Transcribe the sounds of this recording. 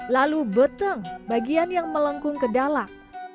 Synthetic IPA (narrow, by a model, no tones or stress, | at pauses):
lalubət̪əŋbaɡianjaŋmələŋkʊŋkədalaʔ